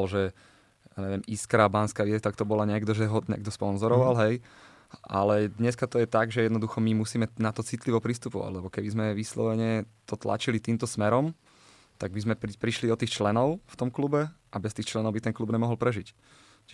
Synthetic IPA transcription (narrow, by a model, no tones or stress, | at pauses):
lʒɛ | jaɲɛʋɪɛmʔiskɾaːbanskaʋɪɛst̪akt̪ɔbɔlaɲɪɛɡd̪ɔʒɛɦɔɲɛ̰ɡ̚d̪ɔspɔnzɔɾɔʋalɦɛj | ʔa̰lɛd̪ɲɛskat̪ɔjɛt̪aɡʒɛjɛd̪nɔd̪uxɔmimusiːmɛnat̪ɔt͡sit̪liʋɔpɾist̪upɔʋa̰ɟlɛbɔkɛbizmɛʋislɔ̰ʋɛɲɛt̪ɔt̪la̰t͡ʃilit̪iːmt̪ɔsmɛɾɔm | t̪aɡbizmɛpɾiʃliɔt̪iːxt͡ʃlɛnɔʊft̪ɔmklubɛʔabɛst̪iːxt͡ʃlɛnɔʊbit̪ɛnklubɲɛmɔɦɔlpɾɛʒic | t͡ʃ